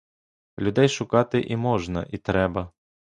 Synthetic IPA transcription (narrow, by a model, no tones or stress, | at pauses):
lʲʊd̪ɛjʃʊkɑt̪ɪʔimɔʒnɐ̰ʔit̪ɾɛbɐ